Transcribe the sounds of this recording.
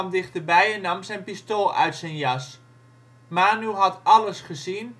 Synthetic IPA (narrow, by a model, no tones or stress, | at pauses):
mdɪχtərbɛjɛnːɑmsɛjnpistolˠœ̰ɥtsɛnjɑs | maːnuɦɑtɑləsχəzin